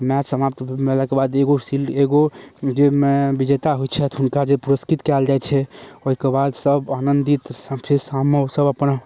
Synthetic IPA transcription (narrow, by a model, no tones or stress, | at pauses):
masəmap̚t̪melakebad̪eɡosileɡod͡ʒemebid͡ʒet̪aɦojt͡ʃʰɛt̪ɦunkad͡ʒepuɾəskit̪kɛld͡ʒaɛtt͡ʃʰɛoɦikebad̪səbanənd̪it̪pʰeɾsamːeosəbəpna